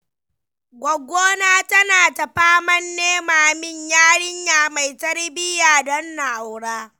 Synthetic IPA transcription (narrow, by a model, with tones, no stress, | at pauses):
ɡʷɔ˨ɡʷːoː˦naː˦tɐ˦naː˨tɐ˨ɸaː˦mɐ˦nːeː˦maː˨mɪ˦ɲjaː˦ɽɪ˦ɲjaː˨ma˨jtɐ˦rbɪ˦jaː˨dɔ˦nːa˨ʔa˨wɽaː˦